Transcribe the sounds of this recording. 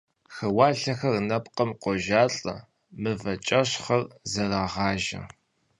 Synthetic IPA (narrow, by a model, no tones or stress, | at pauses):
xɐwaːɬɐxɐrnɐpqəmqʷɔʒaːɬʼɐ̰ | mɨvɐt͡ʃʼɐɕχɐrzɐraːʁɑːʒɐ̰